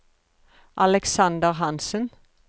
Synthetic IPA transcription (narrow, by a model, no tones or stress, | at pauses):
ʔɑlɛksɑnd̪əʁɦɑnsən